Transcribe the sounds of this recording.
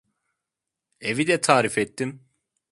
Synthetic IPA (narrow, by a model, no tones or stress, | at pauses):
evid̪ɛt̪ʰaːɾifet̪ːim